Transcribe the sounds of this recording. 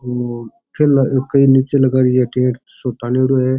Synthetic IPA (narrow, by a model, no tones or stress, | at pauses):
kʰelkɐiːniːt͡ʃelɐɡaːɾieʈẽːʈ | soʈaːneɽoːɦɛː